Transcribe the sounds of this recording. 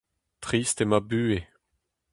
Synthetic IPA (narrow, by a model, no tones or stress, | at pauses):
t̪χiːst̪emabyːe